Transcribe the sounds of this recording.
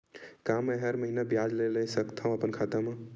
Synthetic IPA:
kameɦəɾməɦinabjad͡ʒleləsəkt̪ʰãəpənkʰat̪ame

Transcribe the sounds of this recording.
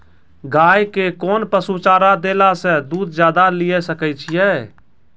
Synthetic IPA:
ɡaːjkekɔːnpəsut͡ʃaːɾad̪elasẽd̪uːd̪d͡ʒjaːd̪alijesəkɛt͡ʃʰijɛ

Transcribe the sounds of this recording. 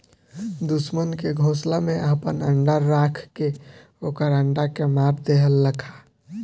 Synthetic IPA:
d̪usmənkeɡʱoːslameʔəpənə̰ɳɖaɾːakʰke | oːkəɾəɳɖakemaɾd̪eɦəlːəkʰḁ

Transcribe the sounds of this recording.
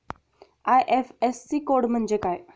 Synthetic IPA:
ajʔefesːikoɽm̤əɳd͡zekaj

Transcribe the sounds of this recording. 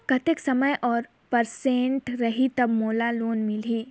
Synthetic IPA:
kɐt̪ɪksɐməjʔɔːɾ | pɐɾsẽːɳʈɾɐɦit̪ɐbmoːlaloːnmɪliː

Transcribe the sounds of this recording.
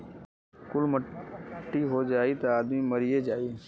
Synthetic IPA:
kʊlməʈːiɦod͡ʒaːit̪oaːd̪miməɾijed͡ʒaːi

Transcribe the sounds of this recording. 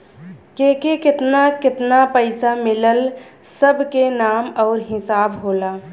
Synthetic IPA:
kekekɪt̪nakɪt̪napəɪsamɪləlsəbʱkenaːmɔːɾɦɪsaːbɦoːla

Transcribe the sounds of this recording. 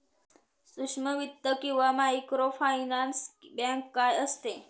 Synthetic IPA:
suʂməʋit̪ːəkiʋamaikɾofajnansbãŋkːajəst̪e

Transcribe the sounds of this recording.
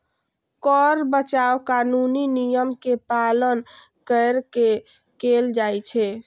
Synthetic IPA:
kɔɾbət͡ʃawkanuninijəmkepalən | kəɾke | keld͡ʒajt͡ʃʰɛ

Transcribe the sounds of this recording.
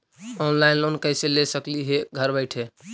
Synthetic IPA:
ɔnlajnlonkəjselesəkliɦeɡʱəɾbəɪʈʰɦe

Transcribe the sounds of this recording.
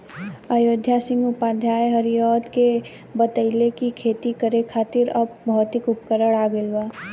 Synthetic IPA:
ajoːd̪ʱjasɪ̃ŋɡʊpaːd̪ʱjaːjɦəɾijɔːt̪ke | bət̪əɪlekikʰeːt̪ikəɾekʰaːt̪ɪɾəbbʱɔːt̪ɪkʊpkəɾəɽaːɡəlwaː

